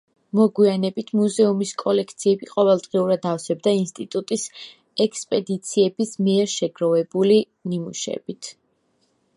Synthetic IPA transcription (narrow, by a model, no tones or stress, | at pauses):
mɔɡwianɛbit̪ʰmuzɛumiskʼɔlɛkʰt̪sʰiɛbiqʼɔvɛlˠd̪ʁiuɾad̪afsɛb̚d̪ainst̪ʼit̪ʼut̪ʼis | ɛkspʼɛd̪it̪sʰiɛbismiɛɾʃɛɡɾɔvɛbuli | nimṵʃɛ̰bit̪ʰ